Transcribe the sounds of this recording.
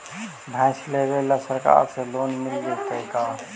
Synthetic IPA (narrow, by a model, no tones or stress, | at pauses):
bʱãɪslebelasəɾka̰ːɾseloːnmɪlɡek̪ekaː